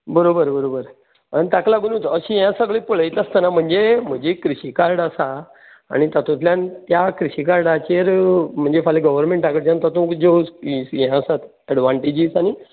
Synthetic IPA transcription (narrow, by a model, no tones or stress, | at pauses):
bəɾobəɾbəɾobəɾ | anit̪aklaɡunũt̪əɕĩjãsəɡɭipəɭ̤əjt̪ast̪ənam̤əɳd͡zem̤əɳd͡ʑekɾiɕikaɾɽasa̰ː | ɽ̃it̪at̪ũt̪ljant̪jakɾiɕikaɾɖat͡ɕeɾm̤əɳd͡zefaleɡəʋəɾmẽɳʈakəɽd͡ʑãnt̪at̪ũkd͡ʑeuskisjɛ̃sat̪ | əɖʋãɳʈid͡ʑiːsañi